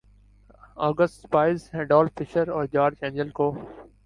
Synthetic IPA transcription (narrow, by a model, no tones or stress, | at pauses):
ɔːɡəsʈbaːiːseɖɔːlfɪʃəɾɔːɾd͡ʒaːɾd͡ʒɛ̃ːnd͡ʒəlkoː